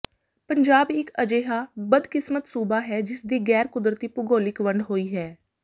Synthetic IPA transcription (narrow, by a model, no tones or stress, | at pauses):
pəɲd͡ʒaːbɪkəd͡ʒeːɦaːbəd̪kɪsmət̪suːbaːɦɛːd͡ʒɪsd̪iːɡɛːɾkʊd̪ɾət̪iːpʊɡoːlɪkʋəɳɖɦoːiːɦɛː